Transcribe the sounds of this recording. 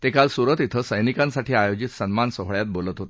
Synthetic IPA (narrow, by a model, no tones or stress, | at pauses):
t̪ekalsuɾət̪it̪ʰəsəjnikãnsaʈʰiːajod͡ʑit̪sənmansəɦɭjat̪̚bolət̪ɦot̪